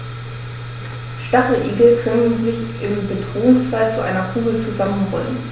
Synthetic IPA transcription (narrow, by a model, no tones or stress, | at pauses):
ʃtaχləʔiːɡl̩kʰœnənzɪçʔɪmbədʁoːʊŋsfalt͡suʔa̰ɪnɐkʰuːɡl̩t͡suzamənʁɔ̰lən